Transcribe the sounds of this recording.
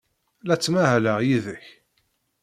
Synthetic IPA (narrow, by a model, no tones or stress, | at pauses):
læt͡sːmæhləʁjiðəç